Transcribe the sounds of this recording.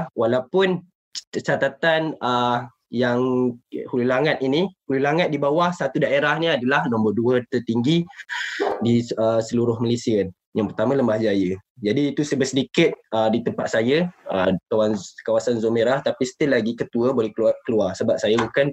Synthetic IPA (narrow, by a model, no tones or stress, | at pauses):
walawpʊn | t͡ʃat̪at̪anə | jaŋhululaŋat̪̚inihululaŋat̪̚dibawahsat̪udaeɾahniadalahnɔ̃mbərduət̪ərt̪iŋɡi | diəsəluɾʊhməlesiən | jaŋpərt̪amãləmahd͡ʒajəd͡ʒadiːt̪usəbəsədikɪt̪̚ədit̪əmpat̪̚sajəət̪awankawasanzomeɾaht̪apisə̥t̪ɪlaɡikət̪uəbolɛhkkəluarsəbap̚sajabukan